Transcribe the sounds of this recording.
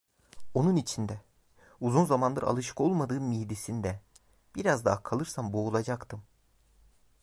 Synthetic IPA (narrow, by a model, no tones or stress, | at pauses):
o̞nunit͡ʃʰind̪ɛ | uzunzamand̪ɯɾʔa̰lˠɯʃɯ̥kʰo̞lˠmad̪ɯːnmijd̪isind̪ɛ | b̥iɾazd̪aɦkʰalˠɯɾsambo̞ulˠad͡ʒakt̪ʰɯm